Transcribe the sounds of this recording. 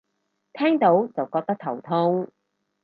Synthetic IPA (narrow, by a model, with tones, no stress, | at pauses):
t̪ʰɛː˥ŋt̪o˨˥wt͡sɐ˨wkɔː˧k̚t̪ɐ˥k̚t̪ʰɐ˨˩wt̪ʰʊ˥ŋ